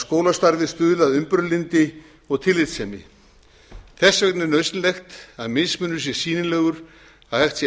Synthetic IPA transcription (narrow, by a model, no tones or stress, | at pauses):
skoːwlast̪aɾvɪst̪ʏːððaðʏmpʏɾlɪnt̪ɪ | ɔɣt̪ʰɪlɪt̪sɛmɪ̰ | θɛsːvɛk̪nɪɾnœɥsnlɛxt̪aðmɪðsmʏnːʏsjɛ̥siːnɪnlɛːɣʏɾ̥ | aðhɛxt̪sjɛ